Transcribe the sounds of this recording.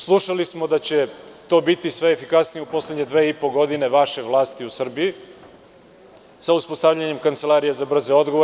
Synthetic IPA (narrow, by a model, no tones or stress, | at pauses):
slˠuʃalismo̞d̪at͡ɕe̞t̪o̞ːbit̪isʋe̞efikasnijeupo̞sledɲed̪ʋe̞ːipo̞ɡo̞d̪ine̞ʋaʃe̞ʋlˠaːst̪iusr̩bii | sauspost̪avʎaɲemkant̪selˠaːɾijezabr̩zeo̞d̪ɡo